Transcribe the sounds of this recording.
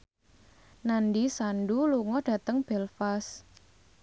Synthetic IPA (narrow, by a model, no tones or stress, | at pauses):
nandisanɖuluŋɔd̥ä̤t̪əŋb̥ɛlfas